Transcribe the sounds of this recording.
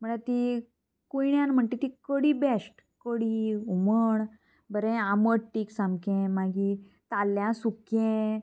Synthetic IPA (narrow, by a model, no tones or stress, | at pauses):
m̤əɳat̪i | kujɳjãnm̤əɳʈ̪et̪ikəɽibesʈ | kəɽiuməɳ | bəɾɛ̃aməʈʈːiːksãmbkẽmaɡi | t̪alːjãsukẽ